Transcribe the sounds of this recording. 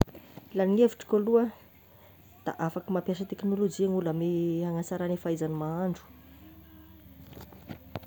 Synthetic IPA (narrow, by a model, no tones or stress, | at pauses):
lanineviʈ͡ʂi̥koluə | d̪̥a̰ʔafakimampjas̬ət̪eknolod͡ʒiaŋulameaŋasaɾanifaizanimaaɳɖ͡ʐu̥